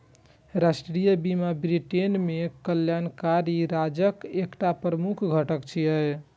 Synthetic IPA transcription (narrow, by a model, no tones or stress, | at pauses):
ɾasʈɾijəbimabɾiʈenmekəljankaɾiɾad͡ʒəkekʈapɾəmukʰɡʱəʈəkt͡ʃʰiə